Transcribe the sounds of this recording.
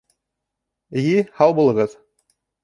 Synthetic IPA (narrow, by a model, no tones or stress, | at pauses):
ɘ̆jihɑwˠbulˠɤ̆ʁɤð